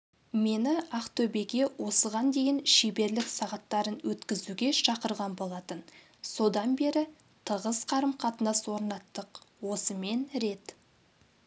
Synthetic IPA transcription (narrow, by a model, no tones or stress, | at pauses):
me̞nɪɑqt̪ʰɵbe̞ɡʲe̞wʔo̞səʁɑnd̪e̞jɪnʃebe̞ɾlɪksɑʁɑt̪ːɑɾənwɵt̪kʲɪzuɡʲe̞ʃɑqəɾʁɑnbo̞lˠɑt̪ən | so̞d̪ɑnbe̞ɾɪ | t̪ʰəʁəzqʰɑɾəmqʰɑt̪ənɑswo̞ɾnɑt̪ːəqwo̞səme̞nɾe̞t̪